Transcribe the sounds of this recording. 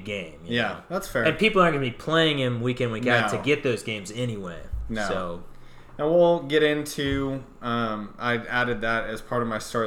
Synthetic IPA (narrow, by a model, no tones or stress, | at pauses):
ɡẽɪ̃mjjæðætsfɛɨ̃npipl̩ˠəɡbipʰl̥eɪɪ̃ŋɪ̃nwikɨ̃nwikætʰɨɡɛt̪̚ðoʊzɡẽɪ̃mzɛniweɪnsooʊ | naʊwilˠɡɛɾɪ̃ntʰʉ | ʌ̃mʔaɪæɾɨd̪̚ðɨɾɨz̥pʰɑɹɾʌvmaɪstɑɹ